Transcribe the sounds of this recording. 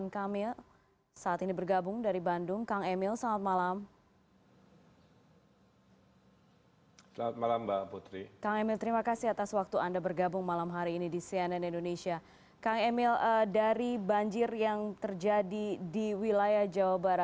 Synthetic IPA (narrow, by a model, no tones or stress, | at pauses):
nkamɪl | saːt̪inibərɡabʊŋdaɾibandʊŋkaŋemɪlsəlaŋat̪̚malam | səlaŋat̪̚malambaput̪ɾikaŋemɪlt̪əɾimakasihat̪aswak̚t̪uandabərɡabʊŋmalamɦaɾiːnidisiɛnɛnindonesia | kaŋɛmɪlədaɾibaɲd͡ʒɪrjaŋt̪ərd͡ʒadidiwilajahd͡ʒawabaɾa